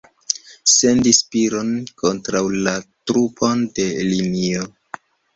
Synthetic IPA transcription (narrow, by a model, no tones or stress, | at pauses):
se̞ndispiɾo̞nko̞ntɾawlatɾupʰonde̞linio